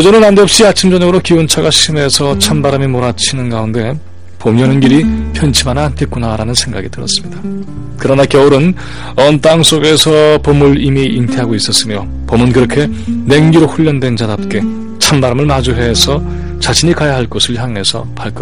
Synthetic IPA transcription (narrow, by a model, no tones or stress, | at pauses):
kʌd͡ʑʌnɯnandeʌp̚ɕ͈iat͡ɕʰimd͡ʑʌɲʌɡɯɾokiont͡ɕʰaɡaɕʰime̞sʰʌt͡ɕʰambaɾamimoɾat͡ɕʰinɯnɡaunde̞ | pomjʌnɯnɡiɾipʰjʌnt͡ɕʰimanantʰek͈unaɾanɯnsʰe̞ŋɡaɡitɯɾʌ̰s͈ɯ̥mɲida | kɯɾʌnakjʌuɾɯn | ʌnt͈aŋs͈oɡe̞sʰʌpomuɭimiʔintʰeɦaɡois͈ʌs͈ɯmjo | pomɯnkɯɾʌkʰe̞ne̞ŋɡiɾoɸuʎːʌndwe̞nd͡ʑadap̚k͈e̞ | t͡ɕʰambaɾamɯɭmad͡ʑuɦe̞sʰʌ | t͡ɕaɕʰiɲikajaɦaɭk͈osʰɯɭçjaŋe̞sʰʌ̰paɭk͈ʌ